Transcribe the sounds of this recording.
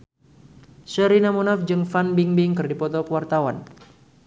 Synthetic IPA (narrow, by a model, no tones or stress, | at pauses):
səɾinamunafd͡ʒɨŋfanbiŋbɪŋkɨrdipɔt̪ɔkəwart̪awan